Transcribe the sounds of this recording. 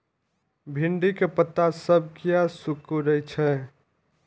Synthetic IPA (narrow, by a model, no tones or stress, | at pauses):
bʱiɳɖikepət̪ːasəb̚ʱkijasukuɾət͡ʃʰɛ